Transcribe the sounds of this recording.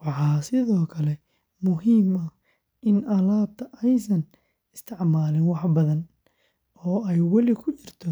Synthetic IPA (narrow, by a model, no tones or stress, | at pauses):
wɑħɑːsɪðɔːkʰɐlɛ | mʊɦiːmɐ | ɪnʔɐlaːt̪ɐʔɛjsɐn | ɪst̪ʰɪʕmaːlɪnwɑħbɐðɐn | ɔːɛjwɐlɪkʰʊt͡ʃɪrt̪ʰɔ